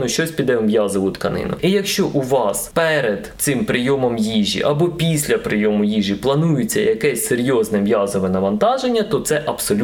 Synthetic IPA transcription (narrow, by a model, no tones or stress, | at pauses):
nʊʃt͡ʃɔsʲpʲid̪ɛmʋjɑzɔʋʊt̪kɐnɪ̰nʊ̰ijɐkʃt͡ʃɔʔuʋɑspɛɾed̪sɪmpɾɪjɔmɔmjiʒʲḭʔɐbɔpʲisʲlʲɐpɾɪjɔmʊjiʒiplˠɐnujet͡sʲːɐjɐkɛsʲseɾʲjɔznɛʋjɑzɔʋɛnɐʋɐnt̪ɑʒenʲːɐt̪ɔt̪sɛʔɐbsɔlʲ